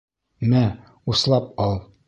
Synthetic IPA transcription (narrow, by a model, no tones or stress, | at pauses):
mæ | uslˠɑp̚ɒlˠ